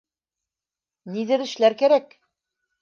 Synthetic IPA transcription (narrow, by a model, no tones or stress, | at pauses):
niðɘɾɘ̆ʃlæɾkæɾæk